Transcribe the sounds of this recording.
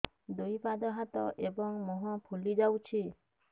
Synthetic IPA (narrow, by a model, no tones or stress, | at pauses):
d̪ojpad̪ɔɦat̪ɔ̰ʔebɔŋmɔɦɔ̃pʰulid͡ʒawt͡ʃʰi